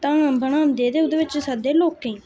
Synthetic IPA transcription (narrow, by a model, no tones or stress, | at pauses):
t̪ãːbəɳãːmd̪eːd̪eːʊd̪eːʋɪt͡ʃsəd̪eːloːkːeĩː